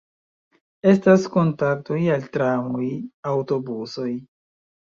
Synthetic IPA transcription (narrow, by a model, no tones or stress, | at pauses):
e̞stasko̞ntak̚to̞jaltɾamojawto̞buso̞j